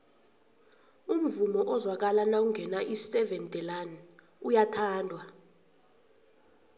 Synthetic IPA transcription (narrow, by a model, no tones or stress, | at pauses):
um̩vumɔʔɔzwak̬alanakuŋɡʱɛnaʔisɛvɛntʼɛlan | ujatʰaːndʱwa